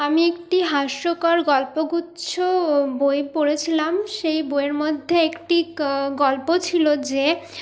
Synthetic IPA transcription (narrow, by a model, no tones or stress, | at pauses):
amiek̚ʈiɦaʃɾokaɾɡɔlpoɡutːɕʰobojpoɾet͡ɕʰilamʃejbojeɾmod̪ʱːeekʈiɡɔlpot͡ɕʰilod͡ʑe